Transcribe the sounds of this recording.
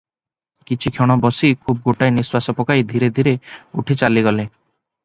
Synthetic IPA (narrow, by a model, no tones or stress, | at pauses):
kit͡ʃʰikʰeɽ̃ɔbɔsikʰub̚ɡoʈajniswasɔpɔkajd̪ʱiɾed̪ʱiɾeṵʈʰit͡ʃaliɡɔle